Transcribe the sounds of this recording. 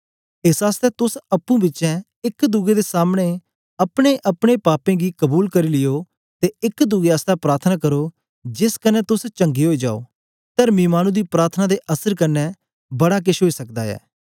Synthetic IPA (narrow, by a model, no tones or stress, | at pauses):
ɪsaːst̪ɛt̪ʊsɐpːũːbɪtːt͡ʃɛ̃ | ɪkd̪ʊɡed̪eːsaːmɽ̃e | ɐpɽ̃eʔɐpɽ̃epaːpẽːɡiːkəbuːlkɐɾiːlɪjoː | t̪eɪkd̪ʊɡeaːst̪apɾaːɾt̪ʰənaːkəɾoː | d͡ʒɪskənɛt̪ʊst͡ʃə̃ŋɡiɦoːid͡ʒa̰ːo̰ː | t̪əɾmĩːmaːñũd̪iːpɾaːɾt̪ʰənad̪eʔəsəɾkənːɛː | bɐɽak̬ɪʃɦoːiːsəkd̪a̰ːɛ̰ː